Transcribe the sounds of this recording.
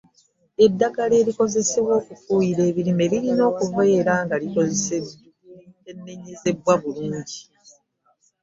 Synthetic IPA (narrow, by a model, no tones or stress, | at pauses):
e̞dːaɡale̞ːliko̞ze̞se̞βwo̞ːkufuːjiɾe̞ːβiɾime̞βiɾino̞ːkuve̞ːɾaːŋɡaliko̞ze̞se | enːeɲeze̞bwaβuluːɲɟi